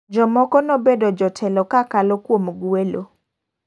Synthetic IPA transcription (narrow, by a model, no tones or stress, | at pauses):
d͡ʒɔmɔkɔnɔbedɔd͡ʒɔtʰɛlɔkakalɔkwomɡwwelo̰